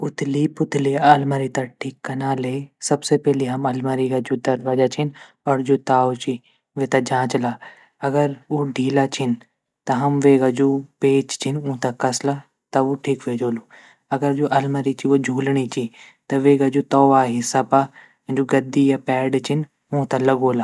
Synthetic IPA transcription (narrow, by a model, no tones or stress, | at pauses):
ʊt̪ʰɪliːpʊt̪ʰɪliɐlmaɾit̪aʈʰiːkːɐnaːlesɐbsepɛːliɦɐmɐlmaɾiɡad͡ʒoːd̪ɐɾʋaːd͡ʒat͡ʃʰɪn | ɐɾd͡ʒoːt̪aːot͡ʃi | ʋet̪ad͡ʒãːt͡ʃlaː | ɐɡəɾuɖʱiːlat͡ʃʰɪnɪ | t̪ɐɦɐmʋeːɡad͡ʒoːpeːt͡ʃt͡ɕʰinũɦt̪akɐsla | t̪ɐuʈʰiːkʋeːd͡ʒoːlu | ɐɡəɾd͡ʒoːʔɐlmaɾit͡ʃʰiod͡ʒʱuːlɽ̃it͡ɕʰi | t̪ɐʋeːɡad͡ʒoːt̪ɔːʋaːɦisɐpã | d͡ʒoɡɐd̪ijapɛːɖt͡ʃʰɪn | ũɦt̪alɐɡoːlaː